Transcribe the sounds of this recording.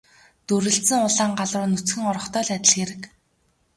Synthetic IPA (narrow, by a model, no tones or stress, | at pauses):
t̪uɾɘ̆ɬsɘ̆ŋʊɮaːŋɢaɮrʊːnɵt͡sxɘ̆ŋɔɾɞ̆χt̪œːɮæt̪ʲɪ̆ɮxeɾɘ̆k